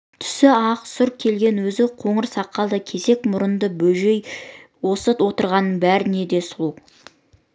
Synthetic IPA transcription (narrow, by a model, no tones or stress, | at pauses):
t̪ʰʏ̥sɪɑqsʊɾkʲʰe̞lɡʲe̞nwɵzɪqʰo̞ɴəɾsɑqːɑlˠd̪əkʲʰe̞ze̞kmʊɾənd̪əbɵʒe̞j | wo̞sət̪wo̞t̪əɾʁɑnːəɴbæɾɪne̞d̪e̞sʊlˠu